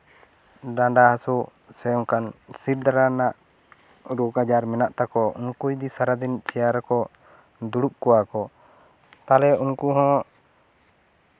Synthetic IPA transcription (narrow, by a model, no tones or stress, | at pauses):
ɖãɖahasu | sɛjɔŋkansiɾd̪aɾanaʔ | ɾukad͡ʒaɾmɛnaʔt̪akɔṵnkujd̪isaɾad̪int͡ʃɛjaɾakɔ | d̪uɽup̚kɔwakɔ | t̪alɛunkuɦɔ̃